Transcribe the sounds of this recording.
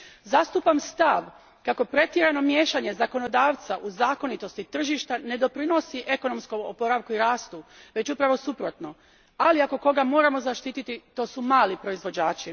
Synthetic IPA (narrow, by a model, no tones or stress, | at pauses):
zast̪upamst̪aʋ | kako̞pɾe̞t̪jeɾano̞mje̞ːʃaɲe̞zako̞no̞d̪aːʋt̪saʔuzaːko̞nit̪o̞st̪it̪r̩ʒiʃt̪ane̞d̪o̞pɾino̞siʔe̞ko̞no̞mskomo̰po̞ɾaʋkuiɾaːst̪uʋe̞t͡ɕupɾaʋo̞supɾo̞t̪no̞ | aliako̞ko̞ɡamo̞ːɾamo̞zaʃt̪iːt̪it̪it̪o̞ːsumaːlipɾo̞izʋo̞d͡ʑaːt͡ʃi